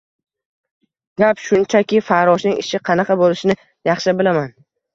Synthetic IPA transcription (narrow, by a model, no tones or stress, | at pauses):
ɡ̥ʲapʃʊnt͡ʃʰakʲɪfaɾɒʃnɪŋɪʃɪqʰɑnɑqɑbolɪʃɪnɪ | jɑχʃɪbɪlaman